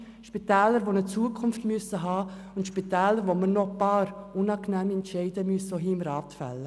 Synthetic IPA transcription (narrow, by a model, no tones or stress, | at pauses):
ʃpitɛːləɾʋonət͡suəkʰʊnftmyəsəɦɑː | ʊntʃpitɛːləɾvomənɔpɑːɾʔʊnɑːknɛːmɛntʃɛɪdəmyəsoɦiːmɾɑːtfɛ̰lːə